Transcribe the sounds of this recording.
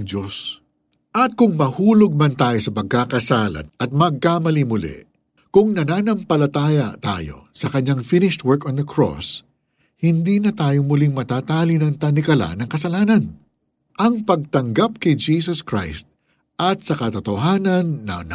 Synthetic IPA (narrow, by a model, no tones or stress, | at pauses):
ŋd͡ʒos | ʔɐt̪̚kʊŋmɐhuːloɡ̚mɐnt̪aːjo̞sɐpɐɡ̚kaːkɐsaːlɐ̰t̪̚ɐt̪̚mɐɡ̚kaːmɐlimʊlɛ̰ | kʊŋnɐnaːnɐmpɐlɐt̪aːjɐt̪a̰ːjo̞̰sɐkɐɲːaŋfɪnɪʃt̪̚wɛɹkɔnd̪ɐkʰɹo̰s | hɪnd̪inɐt̪aːjo̞mʊlɪŋmɐt̪aːt̪aːlinɐŋt̪ɐnɪkɐla̰nɐŋkɐsɐlaːnɐn | ʔɐŋpɐɡ̚t̪ɐŋɡap̚kɛjd͡ʒiːsoskɹa̰jst̪̚ | ʔɐt̪sɐkɐt̪ot̪oɦaːnɐnːɐ̰nɐ